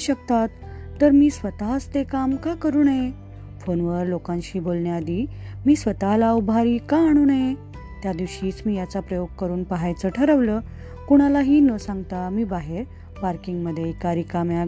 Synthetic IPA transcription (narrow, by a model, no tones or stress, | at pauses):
ɕək̚t̪at̪ː | əɾmiːsʋət̪aɦəst̪ekamkakəɾuːnaje | fonʋəɾlokãnɕiːbolɳjaːd̪iː | miːsʋət̪aɦlaubʱaɾiːkaːɽ̃uːnaje | t̪jad̪iʋɕiːt͡smiːjat͡sapɾəjoɡ̚kəɾuːnpəɦajt͡səːʈʰəɾəʋləː | kuɽ̃alaɦiːnəsãŋɡt̪amiːbaɦeɾ | paɾkiŋɡməd̪ʱːjekaɾiːkamja